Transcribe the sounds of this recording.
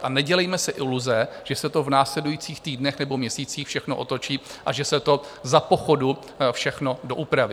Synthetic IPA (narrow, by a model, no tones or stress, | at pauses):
ʔanɛɟɛlɛjmɛsɛʔɪluzɛʒ̥ɛsɛt̪o̞vnaːslɛdujiːt͡siːxt̪iːdnɛxnɛbo̞mɲɛsiːt͡siːxfʃɛxnoʔot̪o̞t͡ʃiːʔaʒɛsɛt̪o̞zapo̞xo̞du | fʃɛxno̞doʔupɾavi